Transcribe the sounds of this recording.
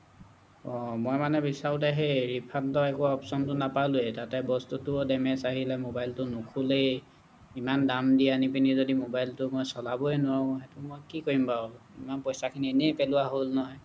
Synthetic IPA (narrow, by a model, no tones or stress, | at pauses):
ɔmɔjmanɛbisaɹʊtɛɦejɹipʰantɔɛkʊaɔpsɔntʊnapaluɛtatɛbɔstutʊdɛmɛsaɦilɛmobajltʊnukʰule | imandamdianipinizodimobajltʊmojsɔlabɔɛnʊwãxɛtʊmojkikoɹimba | imanpɔjsakʰinienepelʊwaɦolnɔɦɔj